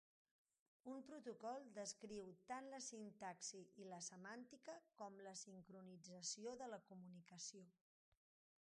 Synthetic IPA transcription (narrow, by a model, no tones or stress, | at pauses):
umpɾut̪ukɔlˠd̪əskɾiwt̪anləsint̪aksiʔiləsəmant̪ikəkɔmləsiŋkɾunid͡zəsioðələkumunikəsio